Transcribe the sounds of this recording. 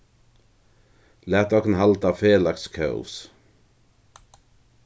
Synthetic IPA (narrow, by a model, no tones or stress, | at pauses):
læːt̪ɔkənhalt̪aːfeːlakskʰœ̰s